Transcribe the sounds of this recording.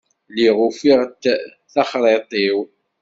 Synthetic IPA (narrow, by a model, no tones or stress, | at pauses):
liʁʊfiʁt | θɑχɾˤet̪ˤiw